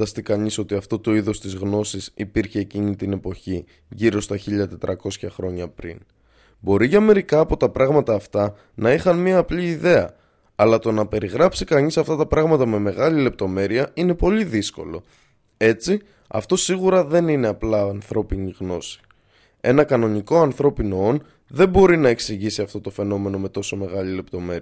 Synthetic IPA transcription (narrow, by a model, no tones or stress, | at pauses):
ɐst̪ikɐɲiso̞t̪iɐft̪o̞t̪o̞iðo̞st̪izɣno̞sisipiɾçe̞ːcinit̪ine̞po̞çi | ʝiɾo̞st̪ɐçiʎɐt̪e̞t̪ɾɐko̞sçɐxɾo̞ɲɐpɾḭn | bo̞ɾiʝɐme̞ɾikɐːpo̞t̪ɐpɾɐɣmɐt̪ɐːft̪ɐ | nɐixɐnmiɐːpliːðe̞ɐ̰ | ɐlɐt̪o̞nɐpe̞ɾiɣɾɐpsikɐnisɐft̪ɐt̪ɐpɾɐɣmɐt̪ɐme̞me̞ɣɐlile̞p̚t̪o̞me̞ɾiɐine̞po̞liðisko̞̰lo̞̰ | e̞t͡si | ɐ̰ft̪o̞siɣuɾɐðe̞nine̞ɐplɐːnθɾo̞piniɣno̞si̥ | e̞̰nɐkɐno̞niko̞ɐnθɾo̞pino̞o̞n | ðe̞mbo̞ɾinɐe̞ksiʝisiɐft̪o̞t̪o̞fe̞no̞me̞no̞me̞t̪o̞so̞me̞ɣɐlile̞pt̪o̞me̞ɾiɐ